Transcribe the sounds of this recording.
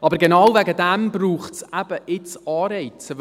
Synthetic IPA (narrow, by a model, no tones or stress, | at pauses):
ʔɑbəɾɡenɑwvæɡədɛmbruːχtsæb̥əʔɪt͡sɑːɾɛɪt͡sə